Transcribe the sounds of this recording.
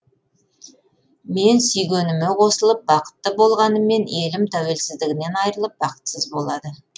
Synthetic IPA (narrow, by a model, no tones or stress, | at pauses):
me̞nsʏjɡʲenɪmeqʰo̞səlˠəp̚bɑqə̥t̪ːəbo̞lˠʁɑnəmːe̞ne̞lɪmt̪ʰæwe̞lsɪzd̪ɪɡʲɪne̞nɑjɾəlˠəp̚bɑqə̥t̪səzbo̞lˠɑd̪ə